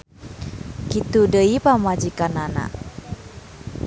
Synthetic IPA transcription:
kit̪udəipamad͡ʒikanana̰

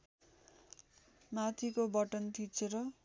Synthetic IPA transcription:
mat̪ʰikobʌʈʌnt̪ʰit͡sʰeɾʌ

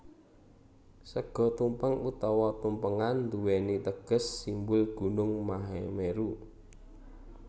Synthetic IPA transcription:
səɡ̥ɔ̤t̪umpəŋut̪ɔwɔt̪umpəŋand̪uwenit̪əɡ̥ə̤sːimbʊlɡ̥ṳnʊŋmaɦemeɾu

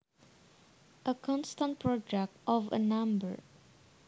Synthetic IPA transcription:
ʔəkʰɔ̃nst̪ãnt̪̚pɹɔd͡ʒɛk̚tɔvə̰nãmbə̰ɹ

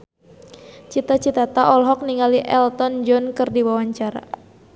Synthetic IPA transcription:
t͡ʃit̪at͡ʃit̪at̪aʔɔlɦɔk̚niŋaliʔɛlt̪ɔnd͡ʒɔnkɨrdiwawaɲt͡ʃaɾa̰

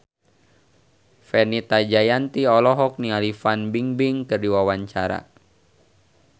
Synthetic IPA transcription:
fɛnit̪ad͡ʒajant̪iɔlɔɦɔk̚nialifanbiŋbiŋkɨrdiwawaɲt͡ʃaɾa̰

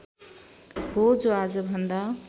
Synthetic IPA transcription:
ɦod͡zoad͡zʌbʱʌnd̪a

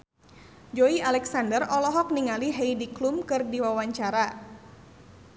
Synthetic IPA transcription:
d͡ʒoialɛksandərɔlɔɦɔk̚niŋaliɦejdiklumkɨrdiwawaɲt͡ʃaɾa

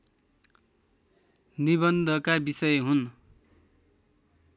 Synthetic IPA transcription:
nibʌnd̪ʱʌkabisʌjɦun

